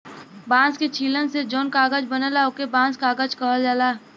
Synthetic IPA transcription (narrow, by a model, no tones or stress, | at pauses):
bãːsket͡ʃʰiːlənsed͡ʒoːnkaːɡəd͡ʒbənəlaʊkebãːskaːɡəd͡ʒkəɦəld͡ʒaːlaː